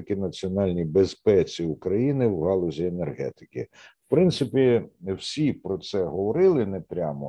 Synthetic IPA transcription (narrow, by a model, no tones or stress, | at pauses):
kɪnɐt͡sʲiɔnɑlʲnʲibespɛt͡sʲiukɾɐjinɪwɦɑlˠɔzʲienerɦɛ̰t̪ɪ̥kɪwpɾɪnt̪sɪpʲiwsʲipɾɔt̪sɛɦɔʋɔɾɪlˠɪnɛpɾʲamɔ